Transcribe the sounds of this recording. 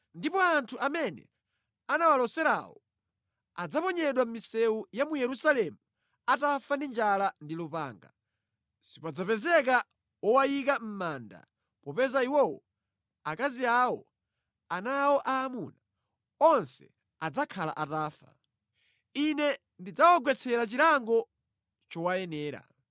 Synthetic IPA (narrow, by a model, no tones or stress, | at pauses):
ndipɔantʰuʔamɛnɛ̰ | anawalɔsɛɾa̰wɔ̰ | ad͡zapɔɲɛɗwam̩misɛwujamujɛɾusalɛmu | atafandind͡ʒalandilupa̰ːŋɡa̰ | sipad͡zapɛzɛk̬a | wɔwajikam̩maːnda̰ | pɔpɛzaiwɔwɔ | akaziaːwɔ̰ | anawɔʔaːmuna | ɔnsɛ̥̰ | ad͡zakʰala̰ʔataːfa̰ | inɛ | ndid͡zawaɡwɛt͡sʰɛɾat͡ʃilaŋɡɔ | t͡ʃɔwajɛnɛːɾa̰